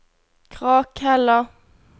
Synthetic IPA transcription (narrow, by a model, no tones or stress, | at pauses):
kʰʁɑːkhɛlə